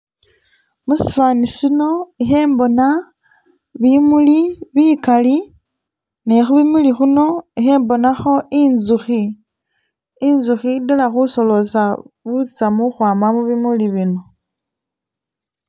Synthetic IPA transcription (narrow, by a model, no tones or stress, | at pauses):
musi̥faːnisino̞ixeːmbo̞na | βimuliβikali | nexuβimulixuno̞ixe̞ːmbo̞naxo̞inzuxi | nzuxidelaxuso̞lo̞saβut͡samuxwaːmamuβimuliβino̞